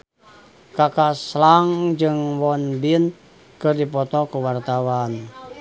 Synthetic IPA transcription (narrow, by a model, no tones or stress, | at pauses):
kakaslaŋd͡ʒɨŋwɔnbin | kɨrdipɔt̪ɔkuwart̪awan